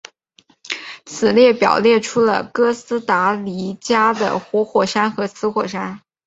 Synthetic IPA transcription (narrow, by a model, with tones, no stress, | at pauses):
t͡sʰɹ̩˨˩ljɛ˥˩pjɑ˨˩ʊljɛ˥˩ʈ͡ʂʰu˥lə̰˨˩kɤ˥sɹ̩˥t̪a˧˥li˧˥t͡ɕja˥d̪ə̰˨˩xwɔ˧˥xwɔ˨˩ʂa˥nxɤ˧˥t͡sʰɹ̩˧˥xwɔ˨˩ʂa˥n